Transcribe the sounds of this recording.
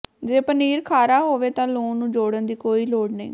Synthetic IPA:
d͡ʒeːpəniːɾkʰaːɾaːɦoːʋeːt̪ãːloːnũːd͡ʒoːɽənd̪iːkoːiːloːɖnḭ̃ː

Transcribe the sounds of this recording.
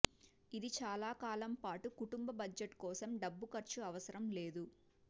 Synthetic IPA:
id̪it͡ʃaːlaːkaːlɐmpaːʈukuʈumbɐbɐd͡ʒɐʈkɔːsɐmɖɐbːukɐɾt͡ʃuɐʋɐsɐɾɐmleːd̪u

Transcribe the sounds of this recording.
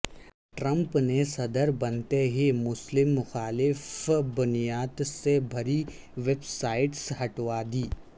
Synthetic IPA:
ʈɾə̃mpnesɐd̪əɾbɐnt̪eɦemʊslɪmːʊxaːlɪfbʊnijaːt̪sebʱɐɾi | ʋeːbsaːɪʈsɦɐʈʋad̪iː

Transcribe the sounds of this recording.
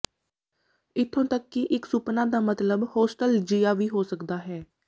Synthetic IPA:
ɪt̪ʰːõːt̪əkːiʔɪksʊpnaːd̪aːmət̪ləbhoːsʈəld͡ʒijaːʋiːɦoːsəkd̪aːɦɛː

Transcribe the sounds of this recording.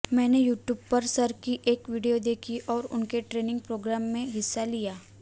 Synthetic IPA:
mɛ̃ːnejuːʈjuːb̚pɐɾsɐɾkiʔeːkʋiːɖijod̪eːkʰiʔɔːɾʊ̰nkeʈɾeːnɪ̃ŋɡ̚pɾoːɡɾaːmːẽɦɪsːalijaː

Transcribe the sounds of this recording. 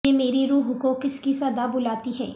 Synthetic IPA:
emeːɾiɾuːɦʊkuːkɪskisɐd̪abʊlaːt̪iɦɛ̰ː

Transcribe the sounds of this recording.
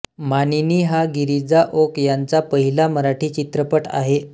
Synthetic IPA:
maniniːɦaɡiɾid͡zaʔokjant͡sapəɦilaməɾaʈʰiːt͡ɕit̪ɾəpəʈa̰ɦe

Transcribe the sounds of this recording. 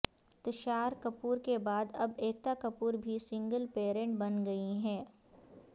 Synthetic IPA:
t̪əʃaːɾkɐpuːɾkebaːd̪ɐbeːk̚t̪akɐpuːɾbʱisɪ̃ŋɡəlpeːɾẽɳʈbɐnɡɐiɦɛ̃ː

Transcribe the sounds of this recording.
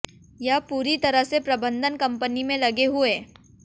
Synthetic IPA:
japuːɾit̪ɐɾəɦsepɾɐbə̃nd̪ʱənkɐ̃mpənimẽlɐɡeɦʊeː

